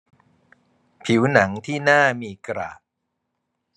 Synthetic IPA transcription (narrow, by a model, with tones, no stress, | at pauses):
pʰi˩˦wna˩˦ŋt̪ʰiː˥˩naː˥˩miː˧kɾa̰ː˨˩t̚